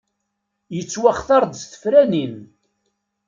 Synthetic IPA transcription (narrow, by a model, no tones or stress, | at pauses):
jət͡sːwaχθɑɾˤd̪sθə̥fɾænin